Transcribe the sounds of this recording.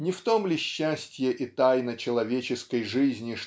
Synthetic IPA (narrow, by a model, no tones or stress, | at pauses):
nʲɪft̪o̞mlʲɪɕːæsʲtʲjəʔɪt̪ajnət͡ɕɪlˠɐvʲet͡ɕɪskəjʐɨzʲnʲɪʂ